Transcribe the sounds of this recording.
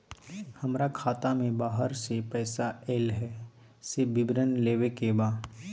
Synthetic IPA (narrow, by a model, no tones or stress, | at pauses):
hɐmɾakʰaːt̪amẽbaːɦəɾsepɛːsaeːlɦɛ | sebɪbɾənleːʋekebaː